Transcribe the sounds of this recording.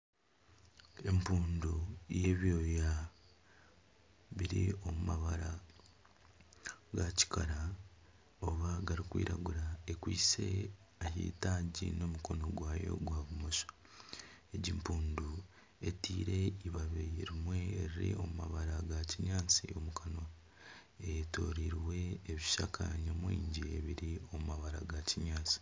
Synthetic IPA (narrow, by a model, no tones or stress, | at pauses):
e̞mpuːndujeβjo̞ːja | βiɾio̞mumaβaɾa | ɡaci̥kʰaɾa | oβaɡaɾikwḭːɾʔaɡuɾaekwiːse̞̰ | ahḭːtaːɟḭno̞muko̞no̞ɡwaːjo̞̰ɡwaːβumoso̥ | eɟimpuːndu | e̞tiːɾe̞iβaβeɾimweːɾiɾḭo̞mumaβaɾaɡaciɲaːt͡sḭo̞mukʰano | eto̞ɾiɾiwe̞ːβiʃakʰaɲomwiːɲɟie̞βiɾio̞mumaβaɾa̰ɡaciɲaːt͡si̥